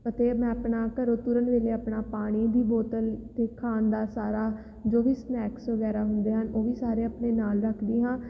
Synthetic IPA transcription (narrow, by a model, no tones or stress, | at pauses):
pət̪eːmɛ̃ːəpɳaːkəɾoːt̪uɾənʋeːleːəpɳaːpaːɽ̃iːd̪iːboːt̪əlt̪eːkʰaːnd̪aːsaːɾaː | d͡ʒoːʋiːsnɛːksʋəɡɛːɾaːɦʊnd̪eːɦənoːʋiːsaːɾeːəpɳeːnaːlɾəkʰd̪iːɦãː